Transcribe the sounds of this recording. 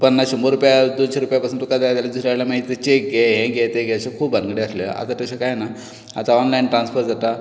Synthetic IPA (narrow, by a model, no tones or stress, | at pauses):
pəɳːaɕumbəɾupjad̪onɕeɾupjapasunt̪ːukad̪aad̪alad̪usɾaɭljamaɦit̪it̪et͡ɕek̚ɡeɦẽɡʱet̪eɡeəɕekʰuːbənɡɽeəslə̰a̰t̪at̪əɕakajena | a̰t̪aɔnlajnʈɾãnsfəɾd͡zʱat̪a